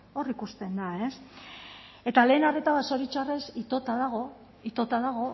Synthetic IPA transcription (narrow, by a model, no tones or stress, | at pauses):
o̞rikust̪e̞nd̪ae̞s | e̞t̪ale̞ːnare̞t̪aβaso̞ɾit͡ʃare̞sit̪o̞t̪aðaɣ̞o̞ | it̪o̞t̪aðaɣ̞o̞